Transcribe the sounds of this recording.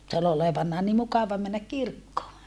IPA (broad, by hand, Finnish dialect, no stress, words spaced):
se ol oleʋɑnːɑː ni mukɑʋɑ mænːæk kirkːoː